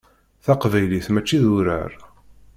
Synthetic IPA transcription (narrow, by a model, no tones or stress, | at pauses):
θaqvæjliθmæt͡ʃːiðʊɾə̰ɾ